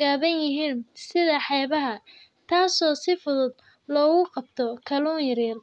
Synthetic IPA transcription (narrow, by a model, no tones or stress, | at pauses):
aːβɐnjɪɦiːnsɪðɐħɛːβɐɦɐ | t̪ʰaːsɔːsɪfʊðʊd̪ | lɔːɣʊqɑb̚t̪ʰɔkʰɐlɔːŋjɐɾiːl